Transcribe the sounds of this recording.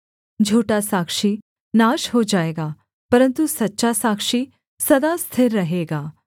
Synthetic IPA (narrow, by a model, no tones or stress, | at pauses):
d͡ʒʱuːʈasaːkʃi | naːʃɦod͡ʒaːeːɡaː | pɐɾə̃nt̪usɐtːʃasaːkʃi | sɐd̪ast̪ʰɪɾːɐɦeːɡaː